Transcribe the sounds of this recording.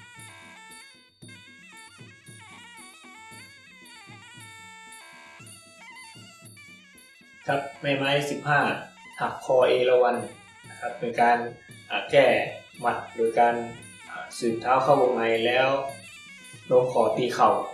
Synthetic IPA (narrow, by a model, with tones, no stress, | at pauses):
kʰa˧˥p̚ma˧˩jma˧˥jsi˨˧˦p̚hãː˧˩h̪ʰa˧˩k̚kʰːɔː˧˩ʔeː˧˩la˧wa˧˩n | na˧kʰa˧˥p̚ːe˧˩nkaː˧nʔaː˨˩kɛː˧˩ | ma˧˩t̪̚doː˧˩jkaː˧n | ʔa˧˩sɯː˨˩t̪ʰːaː˧˥˨wkʰa˧˩wbo˧ma˧˩jlɛː˦˥w | no˧˥ŋkʰɔː˨˦t̪iː˧˩xa˨˩w